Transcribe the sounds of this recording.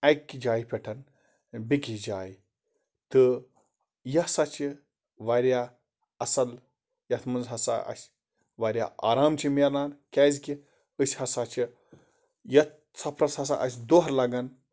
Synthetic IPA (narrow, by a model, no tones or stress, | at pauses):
ɐjkʲːid͡ʒaːjpʲɛʈʰɐn | bikʲid͡ʒaːj | t̪ɨ | jɐsat͡ʃi | ʋɐɾʲjaː | ɐsɐl | jɐt̪ʰmɐnzɦɐsa̰ɐ̰sʲ | ʋaɾʲja̰ːa̰ːɾaːmt͡ʃʰimeɾnaːnkʲaːzkʲi | əsʲhɐsaːt͡ʃʰi | jɐt̪̚ | t͡sɐpʰɾɐt͡shɐs̬a̰ʔɐsʲd̪oɦɾlɐɡɐn